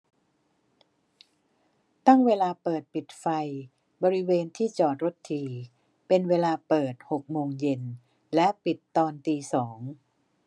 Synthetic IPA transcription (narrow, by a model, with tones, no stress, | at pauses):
t̪a˥˩ŋweː˧laː˧pɤː˨˩t̪̚pi˨˩t̪̚fa˧j | bɔː˧ɾi˦˥weː˧nt̪ʰiː˥˩t͡ɕɔː˨˩t̪̚ɾo˦˥t̪ʰːiː˧ | pe˧nweː˧laː˧pɤː˨˩t̪̚ho˨˩k̚moː˧ŋje˧n | lɛ˦˥ʔpi˨˩t̪ːɔː˧nt̪iː˧sɔː˩˦ŋ